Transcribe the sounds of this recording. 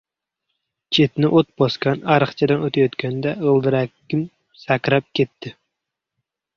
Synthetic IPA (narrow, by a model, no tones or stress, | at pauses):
t͡ʃʰet̪nɪʔot̪̚bɑskɑnæɾəχt͡ʃʰɛd̪ɨnøt̪ʰɪjot̪kʲʰænd̪ɛəlˠd̪ɨɾækʲːɪm | sækʲɾɑp̚kʲʰet̪ʰːɪ